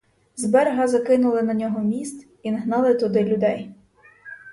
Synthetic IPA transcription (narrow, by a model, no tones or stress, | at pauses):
zbɛɾɦɐzɐkɪnʊlˠɪnɐnʲɔɦɔmʲist̪ | inɦnɑlˠɪt̪ʊd̪ɪlʲʊd̪ɛj